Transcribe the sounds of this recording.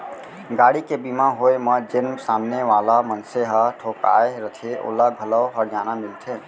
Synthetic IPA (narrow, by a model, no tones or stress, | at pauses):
ɡaːɽikebimãɦoːeməd͡ʒənmsaːmneʋaːlamənseɦaʈʰoːka̰ːeɾət̪ʰeʔo̰ːlaɡʱələwɦəɾd͡ʒaːnamɪlt̪ʰeː